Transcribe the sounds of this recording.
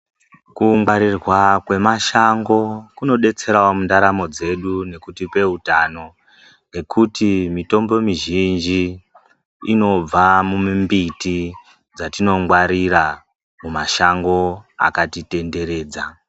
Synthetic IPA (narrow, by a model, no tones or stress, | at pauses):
kuŋɡwaɾirwakwe̞maʃaŋɡo̞kuno̞ɗe̞t͡se̞ɾaomundaɾamo̞d͡ze̞ɗune̞kutipe̞utano̞ | ŋɡe̞kʰutimito̞mbo̞miʒind͡ʒiː | no̞b͡vamummbiti | d͡zatino̞ŋɡwaɾiɾa | mumaʃaŋɡo̞a̰katite̞nde̞ɾe̞ːd͡za